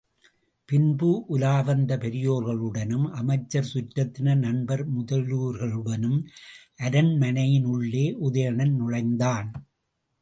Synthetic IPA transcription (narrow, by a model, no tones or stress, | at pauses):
pɪnbɯʔʊlaːbɐnd̪ɐpɛɾɪjoːɾɣɐɭɯɽɐnɯmʔɐmɐɪt͡ʃːɐɾsʊʈːɐt̪ːɪnɐnɐnbɐɾmʊðɐɭuːɾɣɐɭɯɽɐnɯmʔɐɾɐnmɐnɐjɪnɯɭːeːʔʊðɐjɐɳɐnnʊɻɐɪnd̪aːn